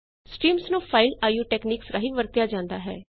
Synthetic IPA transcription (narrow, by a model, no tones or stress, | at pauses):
sʈiːmsnũːpʰaːilaːjuːʈɛːkniːksɾaɦiʋəɾt̪jaːd͡ʒãːnd̪aːɦɛ̰ː